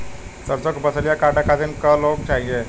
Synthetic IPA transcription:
səɾsokbəsəljakaʈəkat̪iːnkəlok̚ʈʰajje

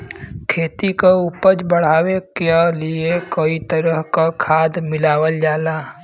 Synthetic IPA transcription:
kʰeːt̪ikaupəd͡ʒbəɽ̤aːwekeliekəit̪əɾəɦkakʰaːd̪mɪlaːwəld͡ʒaːlaː

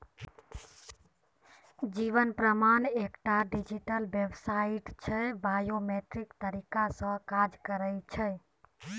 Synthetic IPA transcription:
d͡ʒiβənpɾəmanekʈaɖid͡ʒiʈəlbebsaiʈt͡ʃʰəbajomeʈɾikt̪əɾikasə̃kad͡ʒkəɾət͡ʃʰə

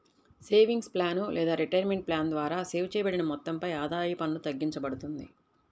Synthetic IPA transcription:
se̞ːʋiŋɡsplaːnulʔɛːd̪aːɾiʈɐjɾmeɳʈ̚plaːnd̪ʋaːɾaːseːwt͡ʃɛːjɐbɐɽinɐmɔt̪ːɐmpɐjaːd̪aːjipɐnlut̪ɐɡːiɲt͡ʃɐbɐɽut̪und̪i

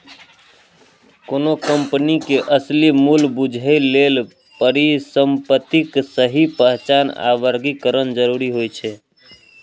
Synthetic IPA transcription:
konokəmpnikeʔəslimulbud͡ʒʱəjlel | pəɾisəmpət̪iksəɦipəɦt͡ʃana̰ʋəɾɡikəɾənd͡ʒəɾuɾiɦojt͡ʃʰɛ

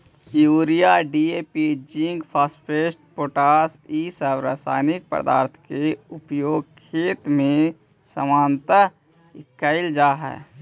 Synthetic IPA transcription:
juːɾijaɖiepid͡ʒĩŋɡpʰaːsʈpʰeːsʈ̚poːʈaːsiːsəwɾə̰sa̰ːnɪk̚pə̰d̪a̰ːɾt̪ʰkeʊpjoːɡ̚kʰeːt̪mẽ | səmaːnt̪ə | ɪkːəɪld͡ʒaːɦɛ̰ː

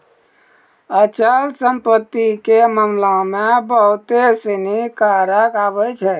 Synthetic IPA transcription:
ət͡ʃalsəmpət̪ːikeməmlãmẽbəɦʊt̪esinikaɾəkaːbəjt͡ʃʰɛ

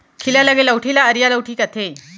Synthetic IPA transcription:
kʰiljalaɡeləwʈʰiːlaəɾjaləwʈʰiːkət̪ʰe

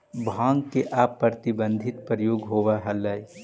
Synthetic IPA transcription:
bʱãːŋɡkeʔaːpːəɾt̪ɪbə̃nd̪ʱɪt̪̚pɾəjoːɡɦoːʋaɦɐləj

